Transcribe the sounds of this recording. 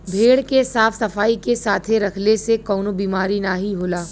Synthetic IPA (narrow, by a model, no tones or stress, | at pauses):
bʱeːɽkesaːfsɐfaːikesaːt̪ʰeɾɐkʰlesekɔːnobiːmaːɾinaːɦiɦoːlaː